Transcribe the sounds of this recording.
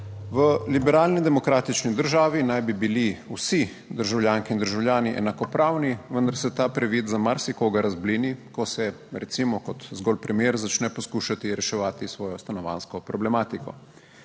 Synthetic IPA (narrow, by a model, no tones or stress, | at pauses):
ʋəlibɛɾaːlnid̪ɛmɔkɾaːt̪it͡ʃnid̪əɾʒaːʋinajbibiliusi | d̪əɾʒawljaːŋkiːnd̪əɾʒawlʲjaːniʔɛ̰nakɔpɾaːwniʋənd̪aɾsɛt̪apɾɛʋiːt̪zamaɾsikoːɡaɾazblinikɔsɛ | ɾɛt̪simɔkɔt̪zɡɔlpɾɛmjeːɾzat͡ʃnɛpɔskuʃat̪iɾɛʃɛʋaːt̪isʋɔːjɔst̪anɔʋa̰nskɔpɾɔblɛmaːt̪ikɔ̰